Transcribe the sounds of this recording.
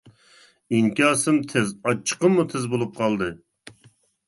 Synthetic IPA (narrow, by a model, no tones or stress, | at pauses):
iŋkʲɑːsɨmt̪ʰɪzɑt͡ʃʰːə̥qəmːut̪ʰɪzbolˠup̚qʰɑlˠd̪ɨ